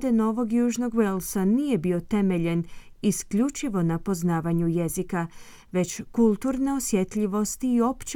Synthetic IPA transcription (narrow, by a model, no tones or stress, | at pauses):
d̪eno̞ʋo̞ɡjuːʒno̞ɡʋelsanije̞bio̞t̪e̞me̞ʎen | iskʎut͡ʃiʋo̞napo̞znaːʋaɲuje̞zika | ʋe̞t͡ɕkulˠt̪uɾne̞osje̞t̪ʎiʋo̞st̪iːo̞pt͡ɕ